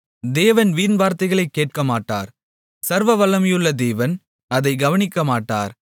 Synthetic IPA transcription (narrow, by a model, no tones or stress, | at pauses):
d̪eːʋɐnʋiːɾnʋaːɾt̪ɐɪɣɐɭɐɪkːeːʈ̚kɐmaːʈːa̰ːɾ | sɐɾʋɐʋɐlːɐmɪjɯɭːɐd̪eːʋɐn | ɐðɐɪɡɐʋɐnɪkːɐmaːʈːa̰ːɾ